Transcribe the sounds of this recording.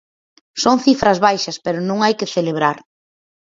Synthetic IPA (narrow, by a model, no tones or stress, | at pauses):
soŋθifɾɐzβajʃɐspeɾʊnõŋajkɪθeleβ̞ɾaɾ